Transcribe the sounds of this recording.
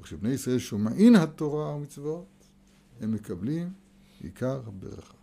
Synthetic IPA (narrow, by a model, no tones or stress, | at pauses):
aχʃebnejisʁaʔe̞lʃomaʔinhat̪oʁaamit͡svot̪ | hemːekablim | ḭkʰaʁabḛʁa̰χḁ